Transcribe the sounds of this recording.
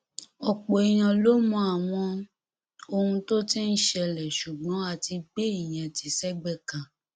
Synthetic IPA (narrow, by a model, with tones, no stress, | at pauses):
ɔ˨k͡po˨i˨j̃ã˨˧lo˦mɔ̃˧a˨w̃ɔ̃˧ | o˧hũ˧to˦ti˦n̩˦ʃɛ˧˨lɛ˨ʃu˨ɡ͡bɔ̃˨˦a˨ti˧ɡ͡be˦i˨j̃ɛ̃˨ti˨sɛ˦ɡ͡bɛ˧kã˨